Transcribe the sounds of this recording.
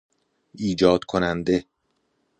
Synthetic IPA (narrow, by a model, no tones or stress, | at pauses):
ʔiːd͡ʒɒːd̪̥kʰonænd̪e̞